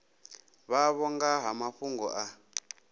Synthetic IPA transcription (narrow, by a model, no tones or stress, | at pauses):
βaβɔŋɡaɦamaɸuŋɡɔ̰ʔa